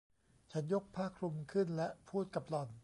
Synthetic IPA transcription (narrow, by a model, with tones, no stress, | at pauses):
t͡ɕʰa˦˥njo˦˥k̚pʰaː˥˩kʰɾu˧mkʰɯ˥˩nlɛ˦˥ʔpʰuː˥˩t̪̚ka˨˩p̚lɔ˨˩n